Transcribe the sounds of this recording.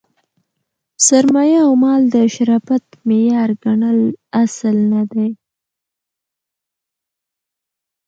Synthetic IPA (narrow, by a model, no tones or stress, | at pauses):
saɾmɑjaːwmɑld̪əʃaɾɑfat̪mejɑɾɡaɳəlaslnad̪aj